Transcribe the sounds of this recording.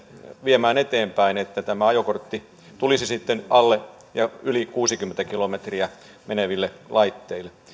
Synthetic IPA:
ʋiemæːnet̪eːmpæinet̪ːæt̪æmæɑjokort̪ːi | t̪ulisisit̪ːenʔɑlːe | jɑylikuːsikymːent̪ækilomet̪riæ | meneʋilːelɑit̪ːeilːˑe

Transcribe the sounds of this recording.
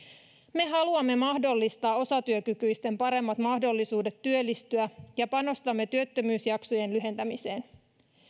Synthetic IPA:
me̞ɦɑluɑmːe̞mɑhdo̞lːist̪ɑːo̞sɑt̪yøkykyjst̪e̞mpɑɾe̞mːɑt̪mɑhdo̞lːisuːde̞t̪ːyølːist̪yæjɑpɑno̞st̪ɑmːe̞t̪yøt̪ːømyːsjɑksoje̞nlyɦe̞nt̪æmise̞ːn

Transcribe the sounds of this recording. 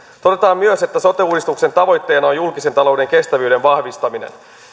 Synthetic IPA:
t̪o̞de̞t̪ɑːmmyøse̞t̪ːæsot̪euːdist̪ukse̞nt̪ɑʋo̞jt̪ːe̞ːnɑojulkise̞nt̪ɑlo̞wde̞ŋke̞st̪æʋyːde̞nʋɑhʋist̪ɑminḛn

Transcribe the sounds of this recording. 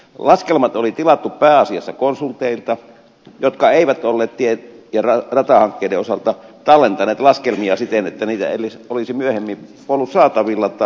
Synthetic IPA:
lɑskelmɑt̪olit̪ilɑt̪ːuppæːɑsiɑsːɑkonsult̪ːˑeˑilt̪ɑ | jot̪kɑeˑiʋæt̪olːeːt̪t̪iejɑrɑrɑt̪ɑhɑŋkːeˑideosɑlt̪ɑt̪ɑlːent̪ɑneːt̪lɑskelmiɑsit̪enet̪ːæniːt̪æ̰ḛlisolisimyøhemːipuolːussɑːt̪ɑʋilːɑt̪ːˑɑ

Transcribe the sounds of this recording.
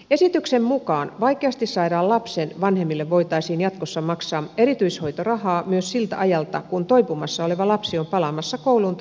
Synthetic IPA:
e̞sit̪yksemmukɑːnʋɑikeɑst̪issɑidɑːlɑpsenʋɑnhemːilːeʋʋo̞it̪ɑisiːnjɑt̪kosːɑmɑksɑːe̞ɾit̪yisho̞it̪orɑhɑːmyøssilt̪æɑjɑlt̪ɑkunt̪oipumɑsːɑo̞le̞ʋɑlɑpsio̞mpɑlɑmɑsːɑkowlunt̪

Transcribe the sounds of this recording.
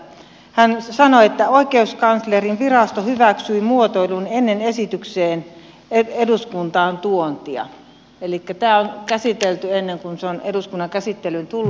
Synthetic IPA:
hænsɑnoet̪ːæoikeuskɑnslerinʋirɑst̪ohyʋæksyimuot̪oilunenːenesit̪ykseːn | eeduskunt̪ɑːnt̪uont̪iɑ̰ | elikːæt̪æːonkæsit̪elt̪yenːeŋkunseoneduskunːɑŋkæsit̪ːelynt̪ulː

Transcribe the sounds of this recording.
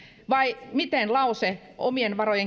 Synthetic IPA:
ʋɑimit̪enlɑuse | o̰mienʋɑrojeŋ

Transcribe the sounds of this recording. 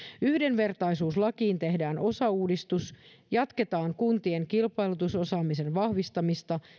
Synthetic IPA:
yhde̞nʋe̞rt̪ɑjsuːslɑkiːnt̪e̞ɦdæːno̞sɑuːdist̪us | jɑt̪ke̞t̪ɑːŋkunt̪ie̞ŋkilpɑjlut̪uso̞sɑːmise̞nʋɑhʋist̪ɑmist̪ɑ

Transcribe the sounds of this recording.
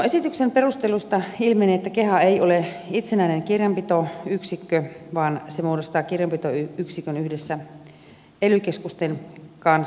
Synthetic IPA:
noesit̪yksemperust̪elust̪ɑilmeneːet̪ːækeɦɑeioleit̪senæineŋkirjɑmpit̪oyksikːøʋɑːnsemuːdost̪ɑːkirjɑmpit̪oyyksikønyhdesːæ | elykeskust̪enkɑns

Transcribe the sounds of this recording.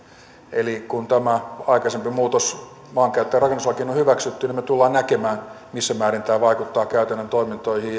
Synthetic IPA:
elikunt̪æmæɑikɑsempimuːt̪os | mɑːŋkæyt̪ːeːrɑkenuslɑkiːnohyʋæksyt̪ːynimet̪ulːɑːnnækemæːn | misːæmæːrint̪æːʋɑikut̪ːɑːkæyt̪ænːænt̪oimint̪oihiː

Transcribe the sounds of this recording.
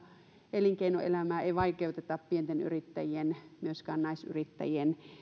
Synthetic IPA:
ʔeliŋkeinoḛlæmæːeiʋɑikeut̪et̪ɑppient̪eny̰rit̪ːæ̰jienmyøskæːnnɑisy̰rit̪ːæ̰jien

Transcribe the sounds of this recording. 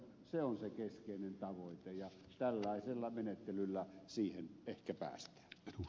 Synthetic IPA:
seonsekeskeˑinent̪ɑʋoˑit̪ejɑ | t̪ælːɑˑeselːɑmenet̪ːelylːæsiːhenehkæpæ̰ːst̪æ̥ː

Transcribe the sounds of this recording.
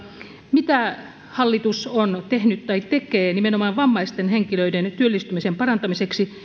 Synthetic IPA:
mit̪æ | hɑlːit̪usont̪ehnyt̪t̪ɑitt̪ekeːnimenomɑːʋʋɑmːɑist̪enheŋkiløident̪yølːist̪ymisempɑrɑnt̪ɑmiseksi

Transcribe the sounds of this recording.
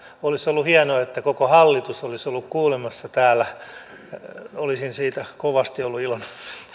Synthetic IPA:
olisolːuhiɛnoːet̪ːækokohɑlːit̪usolisolːukkuːlemɑsːɑt̪æːlːæ | olisinsiːt̪ækoʋɑst̪iolːuilmɑ

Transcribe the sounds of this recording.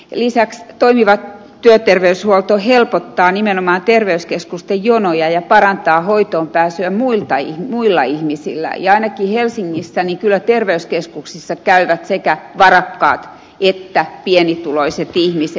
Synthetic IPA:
lisækst̪oimiʋɑt̪ | t̪ːyøt̪erʋeyshuolt̪ohelpot̪ːɑːnimenomɑːnt̪erʋeyskeskust̪ejjonojɑjɑpɑrɑnt̪ɑːhoit̪oːmpæːsyæmmuilt̪ɑihmuilːɑihmisḭlːæ̰jɑɑinɑkihelsiŋːisːæniŋkylːˑæt̪erʋeyskeskuksisːɑkæyʋæt̪sekæʋɑrɑkːɑ̰ːt̪ | et̪ːæpiɛnit̪uloiset̪ihmise

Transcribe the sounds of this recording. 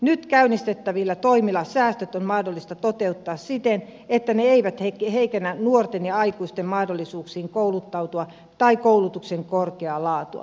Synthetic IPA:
nyt̪kæynist̪et̪ːæʋilːæt̪oimilɑsæːst̪øt̪onmɑhdolːist̪ɑt̪ot̪eut̪ːɑːssit̪enet̪ːæneeiʋæt̪hekheikenːænuort̪enjɑɑikuist̪emmɑhdolːisuːksiːŋkoulut̪ːɑut̪uɑ | t̪ɑikoulut̪ukseŋkorkeɑlɑːt̪uɑ̰

